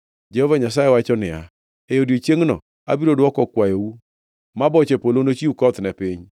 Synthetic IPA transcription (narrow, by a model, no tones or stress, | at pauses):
d͡ʒɛhovaɲasajewat͡ʃɔnɪa̰ | ejodjet͡ʃeŋnɔ̰ | a̰biɾodwɔkɔkwajou | mabɔt͡ʃepolonot͡ʃiukɔt̪nɛpɪɲ